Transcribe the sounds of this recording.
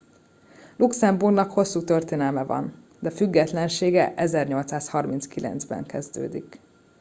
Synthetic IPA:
luksɛmburɡnɒkho̞sːuːt̪ørt̪eːnɛlmɛvɒ̰n | d̪ɛfyɡːɛt̪lɛnʃeːɡɛʔɛzɛrɲo̞lt̪saːshɒrminskilʔɛ̰nd̪zbɛ̰ŋkɛzd̪ø̰ːd̪ik

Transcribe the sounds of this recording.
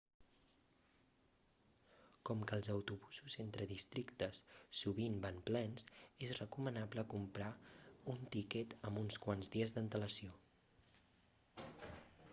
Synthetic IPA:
kɔmkəːlˠzəwt̪uβuzuzent̪ɾəðist̪ɾikt̪əsːuβimbanplɛnsezrəkumənapləkumpɾaunt̪ikɛt̪əmbunskwanzðiəzðənt̪ələsio

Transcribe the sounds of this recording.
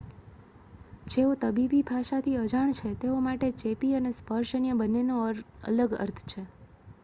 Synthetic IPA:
d͡ʒeot̪əbibibʱaʃat̪ʰiəd͡ʒaɳ̃t͡ʃʰet̪eomaʈet͡ʃepiənespəɾʃənijəbənːenoə̰ləɡə̰ɾt̪ʰt͡ʃʰe

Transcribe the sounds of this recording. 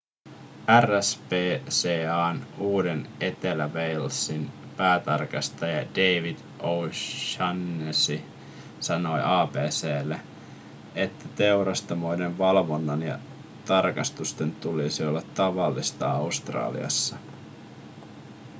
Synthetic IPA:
æræspeːseːɑːnuːdene̞t̪elæʋejlsinpæːt̪ɑ̰rkɑst̪ɑjɑd̥e̞jʋid̥ | ʔowʃɑnːesi | sɑno̞jʔɑːpe̞ːseːlːe | et̪ːæt̪e̞uɾɑst̪omo̞jnenʋɑlʋo̞nːɑnjɑ̰ | t̪ɑrkɑst̪ust̪e̞nt̪ulisiolːɑt̪ːɑʋɑlːist̪ɑɑust̪rɑ̰ːlḭɑ̰sːɑ

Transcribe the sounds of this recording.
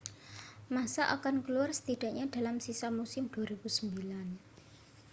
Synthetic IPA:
masaʔa̰kankəluarsə̥t̪id̪̥a̤ʔɲaɖ̪̥a̤lamsisamusɪmd̪̥uaɾib̥usəmbilan

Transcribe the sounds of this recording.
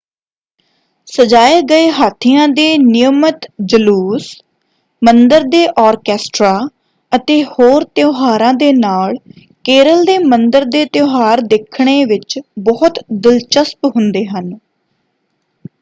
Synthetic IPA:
səd͡ʒaːeːɡəeːɦaːt̪ʰːɪjãːd̪eːnɪjəmət̪d͡ʒəluːs | mənd̪əɾd̪eːʔɔːɾkɛːsʈɾaː | ət̪eːhoːɾt̪joːɦaːɾãːd̪eːnaːɭ | keːɾəld̪eːmənd̪əɾd̪eːt̪joːɦaːɾd̪eːkʰɳ̃eːʋɪt͡ʃbɔːʊt̪d̪ɪlt͡ʃəspɦʊnd̪eːɦən

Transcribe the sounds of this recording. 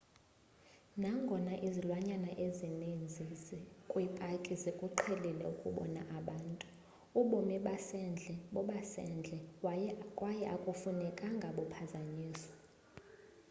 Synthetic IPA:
naŋɡʱɔnaʔizilwaɲanaʔezinind͡zʱizkʼwipʼakʼizekʼuǃʰelilɛ̰ukʼṵɓɔ̰na̰ʔaɓaːntʼu̥ | uɓɔmiɓasɛnd͡ɮʱɛɓɔɓasɛ̰nd͡ɮʱɛ | kʼwajɛʔakʼufunɛkʼaŋɡʱaɓɔpʰazaɲiːsɔ̥

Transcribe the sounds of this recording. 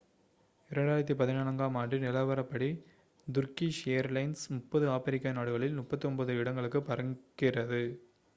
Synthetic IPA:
ɪɾɐɳɖaːjɪɾɐt̪ːipɐðɪnaːnɐŋɡaːmaːɳɖinɪlɐʋɐɾɐpːɐɽi | d̪ʊɾkiʂejɐɾlɐɪnsmʊpːɐðɯaːpɛɾɪkːanaːɽɯɣɐɭɪlnʊpːɐt̪ːiɔmbɐðɯɪɽɐŋɡɐɭɯkːɯpɐɾɐŋɡɪrɐðɯ

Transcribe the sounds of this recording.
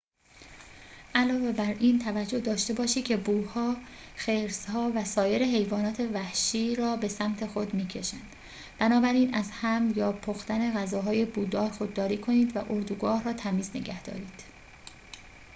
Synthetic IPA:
ʔælɒːve̞bæɾiːnt̪ʰævæd͡ʒːo̞hd̪ɒːʃt̪e̞bɒːʃiːd̪̚cʰe̞buːhɒː | xeɾshɒːvæsɒːje̞ɾe̞ɦe̞jvɒːnɒːt̪ʰe̞væhʃiːɾɒːbe̞sæmt̪ʰe̞xo̞d̪miːcʰe̞ʃænd̪̥ | b̥ænɒːbæɾiːnæzhæmjɒːpʰoxt̪æne̞ɣæzɒːɦɒːje̞buːd̪ɒːɾxo̞d̪ːɒːɾiːkʰo̞niːd̪væ̰ʔo̞ɾd̪uɡɒːhrɒːt̪ʰæmiːzne̞̰ɟæhd̪ɒ̰ːɾiːd̪̥

